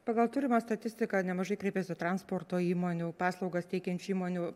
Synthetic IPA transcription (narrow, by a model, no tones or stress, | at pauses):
pɐɡɐlˠt̪ʊɾʲɪmɑst̪ɐt̪ʲɪsʲt̪ʲɪkɐnʲɛmɐʒɐɪkɾʲɛɪpʲɛsʲɪt̪ɾɐnspoːrt̪oːiːmoːnʲupɑːslˠɒʊɡɐst̪ʲɛɪkʲɛnʲt͡ʃuiːmoːnʲʊ